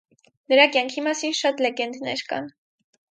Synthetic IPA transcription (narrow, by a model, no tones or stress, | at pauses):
nəɾɑkjɑŋkʰimɑsinʃɑt̪lɛɡɛnd̪nɛ̰ɾkɑ̰n